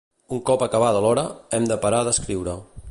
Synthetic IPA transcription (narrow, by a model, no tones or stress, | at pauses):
uŋkɔpəkəβaðəlɔɾəɛmd̪əpəɾaðəskɾiwɾə